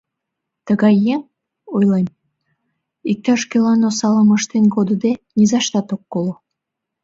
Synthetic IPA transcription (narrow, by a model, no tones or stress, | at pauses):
t̪əɣɑjːeŋ | ojlem | ik̚t̪ɑʃkelɑnosɑləməʃt̪enɡod̪ud̪enʲizɑʃt̪ɑt̪okːolo